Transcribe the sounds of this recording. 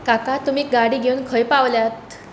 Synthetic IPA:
kakat̪um̤iːk̚ɡaɽiːɡʱeuːnkʰəjpaʋljat̪

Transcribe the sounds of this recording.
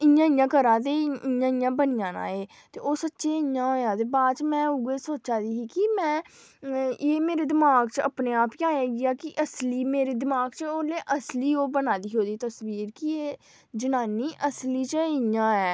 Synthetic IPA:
ɪjãːɪ̃jãːkəɾãːt̪eːɪjãːɪjãːbənɪjãːnã̰ːeː | t̪eːoːsətːʃeːɪ̃jãːɦoːjãːt̪eːbaːt͡ʃmɛ̃ːʊɡeːsoːtːt͡ʃaːd̪iːɦiːkɪmɛ̃ː | eːmeːɾeːd̪ɪmaːɡt͡ʃə̰pneːaːpkãːeːɡiːaːkɪʔəsliːmeːɾeːd̪ɪmaːɡt͡ʃoːleːʔəsliːoːbənaːd̪iːɦoːd̪iːt̪əsbiːɾkɪeː | d͡ʒənaːniːʔəsliːt͡ʃəɪjãːɛː

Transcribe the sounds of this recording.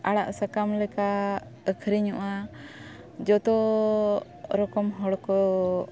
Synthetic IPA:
aɽaʔsakamlɛka | əkʰɾiɲuʔa | d͡ʒɔt̪ɔ | ɾɔkɔmɦɔɽkɔ

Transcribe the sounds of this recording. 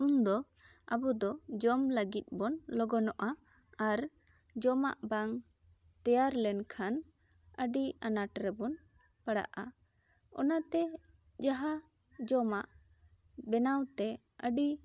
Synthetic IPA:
und̪ɔ | abud̪ɔd͡ʒɔmləɡit̪̚ˀbɔnlɔɡɔnɔʔa | aɾ | d͡ʒɔma̰ʔbaŋ | t̪ɛjaɾlɛnkʰan | əɖianaʈɾɛbɔn | pəɽa̰ʔa | ɔ̰nat̪ɛ | d͡ʒaɦa | d͡ʒɔmaʔ | bɛnawt̪ɛ | əɖi

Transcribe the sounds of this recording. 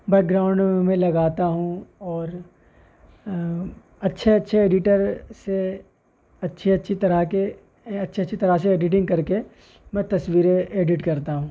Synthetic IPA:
bɛːk̚ɡɾaːʊ̃ɳɖmẽlɐɡaːt̪aɦũɔːɾ | ɐtːʃʰeɐtːʃʰeeːɖɪʈəɾse | ɐtːʃʰeɐtːʃʰit̪ɐɾake | ɐtːʃʰeɐtːʃʰit̪ɐɾaseeːɖɪʈ̬ɪ̃ŋɡkɐɾke | mɛ̃t̪ɐswiːɾeeːɖɪʈkɐɾt̪aɦũː

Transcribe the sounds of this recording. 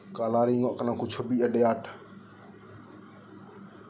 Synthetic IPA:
kaːlaːɾiːŋõʔknãːkʊt͡ʃʰobiːəɗejaːʈʰ

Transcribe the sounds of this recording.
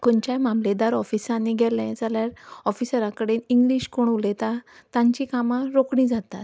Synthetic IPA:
koɳt͡ɕajmamled̪aɾɔfisãnːiɡʱɛlɛ̃d͡zaljaɾɔfisəɾãkəɽeniŋɡliːɕkoɳulet̪at̪ãɲt͡ɕikamaɾokɳ̃ĩd͡zat̪a̰t̪

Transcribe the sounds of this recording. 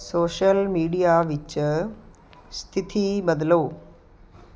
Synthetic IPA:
soːʃɐlmiːɖijaːʋit͡ʃːɐ | st̪ʰit̪ʰibɐd̪ɐlɐw

